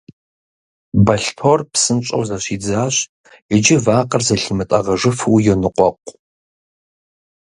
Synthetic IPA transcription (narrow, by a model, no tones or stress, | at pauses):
bɐɬpʰorpsɨnt͡ʃʼɐwzɐɕiːd͡zaːɕ | ɪd͡ʒɪvaːqʼɐrzɐɬimɨtʼɐʁɐʐɨfɨwjɛnɨqʷʼɔqʷʼ